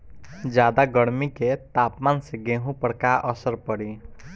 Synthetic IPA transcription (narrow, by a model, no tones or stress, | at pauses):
d͡ʒjaːd̪aɡəɽmiket̪aːpmaːnseɡẽːɦũpəɽkaʔəsəɾpəɽiː